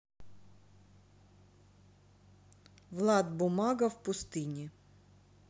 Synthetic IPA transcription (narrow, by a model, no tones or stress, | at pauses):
vlˠad̪bʊmaɡəfpʊst̪ɨnʲɪ